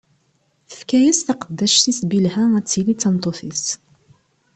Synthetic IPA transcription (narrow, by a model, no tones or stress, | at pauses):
θə̥fkæjæsθɑqəd̪ːæʃt̪isbilhææt͡sːilit͡sːɑnt̪ˤoθis